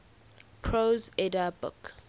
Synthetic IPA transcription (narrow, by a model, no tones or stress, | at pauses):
pʰɹozɛdabʊ̰k